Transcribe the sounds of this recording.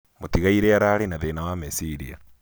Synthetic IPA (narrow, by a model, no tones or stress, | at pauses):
motiɣaiɾeaɾaːɾenaðenawamesiɾia̰